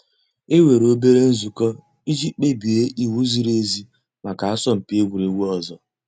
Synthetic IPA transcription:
e˦we˨ɾo˦be˦ɾe˦n̩˦zu˨kɔ˦ | i˦d͡ʒi˦k͡pe˦bi˨e˦ʔi˨wu˦zi˦ɾe˦zi˦ | ma˨ka˨a˦sɔ˦m̩˨pi˦e˦ɡʷu˨ɾe˨wu˦ɔ˨zɔ˨

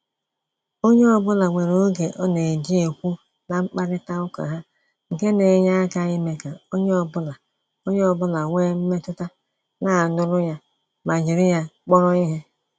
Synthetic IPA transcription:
o˦ɲe˦ɔ˦bʊ˦la˨ŋʷe˨ɾo˦ɡe˨ʔɔ˦ne˨di˦e˨kʷu˦ | na˨ŋ͡m̩˦k͡pa˦ɾɪ˦ta˦ʊ˦ka̰˨ɦa˦ | ŋ̩˨ke˦ne˨ɲa˦ka˦i˦me˨ka˨o˦ɲe˦ɔ˨bʊ˦la˨ | o˦ɲe˦ɔ˨bʊ˦la˨ŋʷeː˦m̩˦me˦tʊ˦ta˦ | na˨nʊ˦ɾʊ˦ja˦ | ma˨d͡ʒi˨ɾi˦ja˦k͡pɔ˦ɾɔ˦i˦ɦe˦

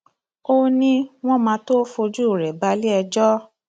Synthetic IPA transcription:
o˦nĩ˦w̃ɔ̃˦mãː˧to˦fo˧d͡ʒu˦˨ɾɛ˨ba˧˦li˦ɛ˧d͡ʒɔ˦

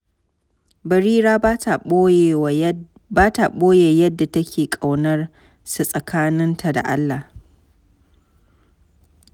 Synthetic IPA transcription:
bɐ˨ɾiː˦ɾaː˦˨ | baː˦ta˨ɓoː˦jeː˨jɐ˦dːa˨tɐ˦kʲʰeː˨kʼa˨wnɐ˦r | su˨sʼɐ˨kʰaː˦nɪ˦ntʰa˨da̰˨ʔa˦lːa˨

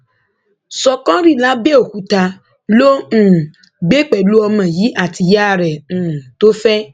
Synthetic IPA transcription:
sɔ˨kɔ̃˦ɾi˦˨la˦be˦o˨ku˦ta˧ | lõ˦˨ | ɡ͡be˦k͡pɛ˨lu˦ɔ˧mã˨ji˨˦ʔa˨ti˨ja˦˨ɾɛ˨ñ̩ː˨to˦fɛ˦

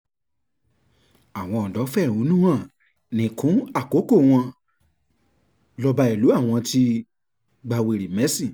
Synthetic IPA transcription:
a˨w̃ɔ̃˧ɔ˨dɔ˨˦fɛ˦˨ũ˨˦nũ˦ã˦˨ | nĩ˨kʰũ˨˦a˦˨ko˨˦ko˦˨w̃ɔ̃˧ | lɔ˧ba˧i˨lu˨˦a˦˨w̃ɔ̃˧ti˧˦ | ɡ͡ba˧we˨ɾi˨mɛ˨˦si˦˨

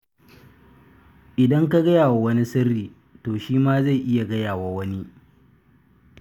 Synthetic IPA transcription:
ʔɪ˨dɐ˦ŋka˦ɡɐ˦jaː˨wa˨wɐ˦ni˦sɐ˦rːiː˨ | toː˨ʃiː˦maː˦za˦˨jʔɪ˦ja˨ɡɐ˦jaː˨wa˨wɐ˦ni˦

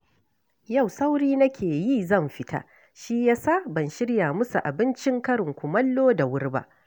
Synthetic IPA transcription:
ja˦˨wsa˦wɽiː˦nɐ˦kʲʰeː˨jiː˦zɐ˦˨mɸɪ˦tʰa̰˦ | ʃi˦jaː˦sa˦bɐ˨nʃɪ˦ɽja˨mʊ˦su˨ʔa˨bɪ˦nt͡ʃɪ˦ŋkɐ˦ɽɪ˨ŋkʷʊ˨mɐ˦lːoː˦da˨wʊ˦rba̰˦ʔ

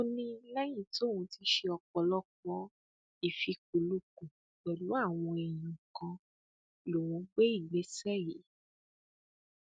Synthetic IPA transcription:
o˦nĩ˦lɛ˦jĩ˦˨to˦˨ũ˧ti˧˦ʃe˧ɔ˧k͡pɔ˨lɔ˦kɔ̃˦ | i˨fi˧k̚u˨lu˧˦kũ˨ | ɡ͡bɛ˨lu˨˦a˦˨w̃ɔ̃˧ɛ˨j̃ĩ˨kã˧ | lo˨wũ˨˧˦ɡ͡be˦i˦˨ɡ͡be˨˦sɛ˦˨je˨˦

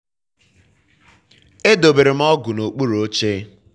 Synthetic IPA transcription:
e˦do˨be˨ɾe˨m̩˦ɔ˦ɡʊ˨no˨k͡pu˦ɾo˦t͡ʃe˦

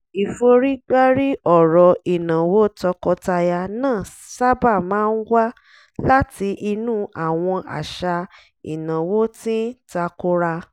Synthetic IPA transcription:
i˨fo˧ɾi˦ɡ͡ba˦ɾi˦ʔɔ˦˨ɾɔ˨i˨nã˨wo˦tɔ˧kɔ˧ta˧ja˧nãː˦˨ | sa˦ba˦˨mãː˨˦n̩˦wa˦ | la˦ti˧ʔi˧nũ˦ʔa˨w̃ɔ̃˧ʔa̰˨ʃa˧ | ḭ˨nã˨wo˦tĩ˦ta˧ko˦ɾa˧

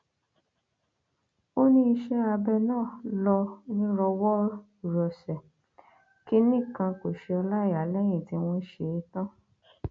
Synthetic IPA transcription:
o˦nĩ˦i˧ʃɛ˦a˧bɛ˧nãː˦˨lɔ˧˦nĩ˦ɾɔ˧wɔ˦˨ | ɾɔ˨sɛ˨ | ki˦nĩ˦˨kã˧ko˨ʃe˧ɔ˧la˦˨˦a˨˦lɛ˦j̃ĩ˨ti˧w̃ɔ̃˦ʃe˧˦tã˦

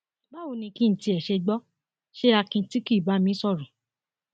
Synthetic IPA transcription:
ba˦o˧˨nĩ˧kĩ˦n̩˨ti˧ɛ˨ʃe˧ɡ͡bɔ˦ | ʃe˦a˧kĩ˧ti˦ki˦˨ba˨˦mĩ˦sɔ˦˨ɾũ˨

